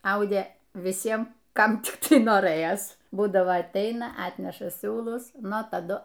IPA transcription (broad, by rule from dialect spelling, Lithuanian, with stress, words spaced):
ˈɐʊdʲeː ʋʲɪˈsʲiɛm ˈkɐm ˈtʲɪk ˈtɐɪ noːˈrɘjɛs ˈbuːdɐʋoː ɐtʲˈɛɪnɐ ˈɑːtʲnʲɛʃɐ ˈsʲuːlˠʊs ˈnʊ tɐˈdʊ